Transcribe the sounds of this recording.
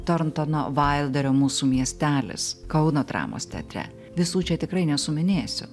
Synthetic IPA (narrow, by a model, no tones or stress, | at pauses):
t̪oɾnt̪ono̰ːʋɐɪlˠd̪ɐɾʲoːmuːsuːmʲiɛsʲt̪ʲæːlʲɪ̰skɐʊnoːt̪ɾɑ̰ːmo̰ːst̪ʲɛ̰t̪ʲɾʲɛ̰ | ʋʲɪsuːt͡ʃʲɛt̪ʲɪkɾɐɪnʲɛsʊmʲɪnʲeːsʲʊ̰